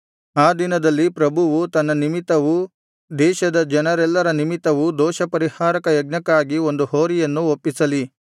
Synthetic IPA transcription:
aːd̪inɐd̪ɐlːipɾɐbʱuʋut̪ɐnːɐnimit̪ɐʋu | d̪ɛːʃɐd̪ɐd͡ʒɐnɐɾɛlːɐɾɐnimit̪ɐʋud̪ɔːʃɐpɐɾihaːɾɐkɐjɐɡ̚ɲɐkaːɡio̞nd̪uhoːɾijɐnːuopːisɐli

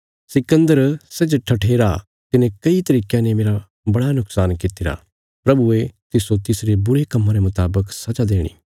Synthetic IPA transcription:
sɪkə̃nd̪əɾsɛːd͡ʒʈʰɐʈʰeːɾa | t̪ɪnẽkɐit̪ɐɾiːkenẽmeːɾa | bɐɽanʊksaːnkɪt̪ɪɾa̰ | pɾɐbuet̪ɪsot̪ɪsɾebʊɾekɐmːãɾemʊt̪aːbəksɐd͡ʒad̪eːɽ̃ḭ

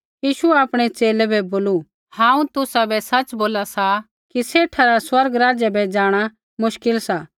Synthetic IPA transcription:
jiːʃuɛaːpɽ̃ɛt͡ʃeːlɛbʱɛboːlu | hãːũt̪ʊsabɛsɐt͡ʃboːlasa | kiseːʈʰaɾaswɐɾɡɾaːd͡ʒabɛd͡ʒaːɽ̃a | mʊʃkɪlsaː

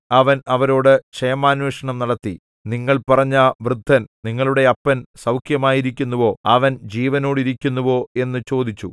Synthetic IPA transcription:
ɐʋɐnɐʋɐɾo̞ːɽɨʂɐjɐmaːnweːʂɐɳɐmnɐɽɐt̪ːi | niŋːɐɭpɐrɐɲːɐʋrɨd̪ʱːɐnniŋːɐɭuɽe̞ɐpːɐnsɐwkʰjɐmaːjiɾikʲːunːɐʋo̞ːɐʋɐnd͡ʑiːʋɐno̞ːɽiɾikʲːunːuʋo̞ːe̞nːɨt͡ɕo̞ːd̪it͡ɕːṵ

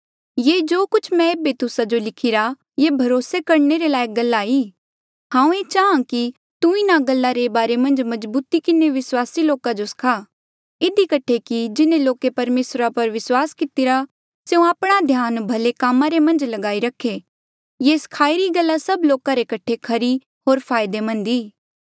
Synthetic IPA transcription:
jed͡ʒoːkʊt͡ʃʰmɛ̃eːbet̪ʊsad͡ʒolɪkʰɪɾa | jebʱɐɾoːsekɐɾneɾelaːeɡɐlːaːiː | hãːũeːt͡ʃaːãki | t̪ũɪnaɡɐlːaɾebaːɾemɐ̃nd͡ʒmɐd͡ʒbuːt̪ikɪneʋɪswaːsiloːkãd͡ʒoskʰaː | ɪd̪ikɐʈʰekid͡ʒɪnẽloːkepɐɾmeːsɾapɐɾʋɪswaːskɪt̪ɪɾa | seũaːpɽ̃ad̪ʱjaːnbʱɐlekaːmãɾemɐ̃nd͡ʒlɐɡaːiɾɐkʰe | jeskʰaːiɾiɡɐlːasɐbloːkãɾekɐʈʰekʰɐɾi | ɦoːɾpʰaːɪd̪emɐ̃nd̪iː

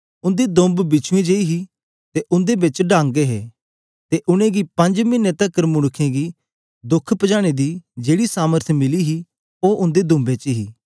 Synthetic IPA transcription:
ʊ̃nd̪ed̪ʊ̃mbbɪt͡ʃʰuẽd͡ʒeiɦi | t̪eʔʊ̃nd̪ebɪt͡ʃɖãːŋɡeɦɛː | t̪eʔʊɽ̃ẽɡipɐ̃ɲd͡ʒmɪnːẽt̪ɐkəɾmʊɽ̃ʊkʰẽɡi | d̪ʊkʰːpəd͡ʒaːɽ̃ed̪id͡ʒeːɽisaːməɾt̪ʰmɪliɦi | oʔʊ̃nd̪ed̪ʊ̃mbet͡ʃɦiː

